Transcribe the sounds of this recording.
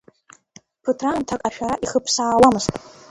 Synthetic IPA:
pʰɨtʰraːntʰakʼaʃᶣaɾaʔiχəpʰsaːlamɨstʼ

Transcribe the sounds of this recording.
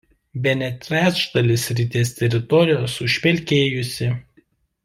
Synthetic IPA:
bʲɛnʲɛt̪ʲɾʲæːt͡ʃd̪ɐlʲɪsɾʲɪt̪ʲeːst̪ʲɛɾʲɪt̪ɔɾʲɪjoːsʊʃʲpʲɛlʲkʲeːjʊsʲɪ

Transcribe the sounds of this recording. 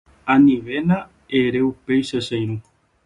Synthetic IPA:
ãnĩʋenã | eɾeupejʃeʃejɾũ

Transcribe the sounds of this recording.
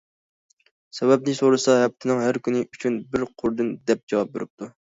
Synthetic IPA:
sɛbɛb̚nɪsoɾɨsɑɦɛp̚t̪ʰɪnɪŋɦæɾkʲʰynɪʔyt͡ʃʰynbɪɾqʰʊɾd̪ɨnd̪ɛp̚d͡ʒɑwɑp̚bḛɾɪp̚t̪ʰu

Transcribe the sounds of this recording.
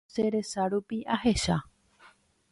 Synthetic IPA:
seɾe̞saɾupiʔahe̞ʃa

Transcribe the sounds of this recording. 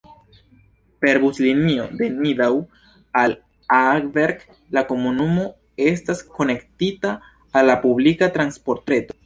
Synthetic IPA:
pe̞ɾbuslinio̞de̞nidaw | al | aɡveɾɡ | lako̞munumo̞ | e̞stasko̞ne̞ktitaː | lːapublikatɾanspo̞ɾtɾe̞to̞

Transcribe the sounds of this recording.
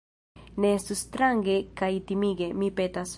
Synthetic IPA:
nesust̪ɾaŋɡekajit̪imiɡemipet̪as

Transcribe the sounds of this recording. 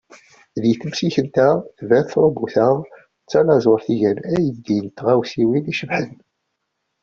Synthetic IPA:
ðjθəmsiçənt̪æθvæθθɾˤobuθəʁ | t͡sːænɑzˤoɾθiʝænæjəd̪int̪ʁæwsiwiniʃəmħən

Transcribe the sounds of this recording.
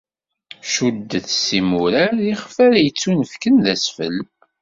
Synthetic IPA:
ʃud̪ːəθsimuɾæɾiχfæɾæjət͡sːunəfkənðæsfə̰l

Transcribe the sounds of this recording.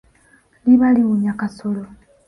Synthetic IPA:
liβaliɣuɲakasolo

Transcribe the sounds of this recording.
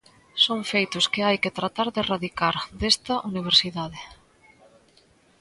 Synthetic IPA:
soŋfejt̪ʊskɪajkɪt̪ɾat̪aɾðɪraðikaɾd̪est̪ɐʔuniβ̞eɾsiðaðɪ

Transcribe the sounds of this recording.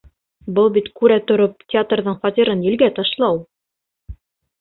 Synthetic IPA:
bɤlˠbit̪kʉɾæt̪ŏɾop̚tʲɪat̪rðɤɴfɒt̪ʲiɾɤnjɘ̆lɡæt̪ɑʃlˠɑw

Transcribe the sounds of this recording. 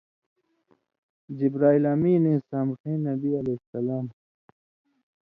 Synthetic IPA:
d͡ʑibɾaːilaːmiːnĩsaːmxĩːnːɐbiɐlesɐlaːm

